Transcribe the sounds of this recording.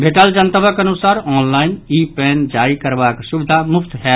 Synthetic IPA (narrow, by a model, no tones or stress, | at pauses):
bʱeʈəld͡ʒənt̪əbəkənusaɾɔnlaɪnipɛnd͡ʒaɾikəɾbaksubɪd̪ʱamupʰt̪ɦɛ